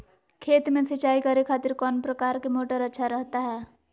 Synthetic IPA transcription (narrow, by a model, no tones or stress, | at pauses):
kʰeːt̪mẽsət͡ʃaːikɐɾekʰaːt̪ɪɾkɔːnpɾɐkaːɾkemoːʈəɾɐtːʃʰaɾəɦt̪aɦɛː